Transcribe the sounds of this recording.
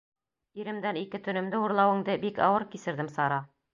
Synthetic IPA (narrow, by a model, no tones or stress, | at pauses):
iɾɘ̆md̪ænikɘt̪ɵ̆nɘ̆md̪ɘuɾlˠɑwɤ̆ŋd̪ɘbikɑ̰wɤɾkisɘ̆ɾd̪ɘmsɑɾɑ